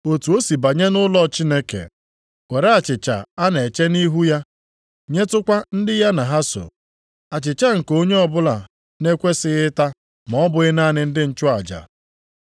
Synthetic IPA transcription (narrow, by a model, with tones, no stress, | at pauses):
o˨tu˨o˦si˨ba˨ɲe˦nʊ˦lɔ˦t͡ʃi˦ne˦kḛ˨ | kʷe˨ɾe˦a˨t͡ʃɪ˨t͡ʃa̰˨a˦n˨e˨t͡ʃe˦ni˦ɦu˦ja˦ | ɲe˦tʊ˦kʷa˦n̩˦dɪ˦ja˦na˨ɦa˦so̰˨ | a˨t͡ʃɪ˨t͡ʃa˦ŋ̩˨ko˦ɲe˦ɔ˦bʊ˦la˨ | ne˦kʷe˦sɪ˦ɣɪ˦ta˦ | mɔ˨˦bʊ˨ɣɪ˦na˦˨nɪ˨n̩˦dɪ˦n̩˦t͡ʃʊ˦a˨d͡ʒa̰˨